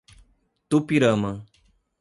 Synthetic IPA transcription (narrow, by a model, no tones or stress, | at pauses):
t̪upiɾəmə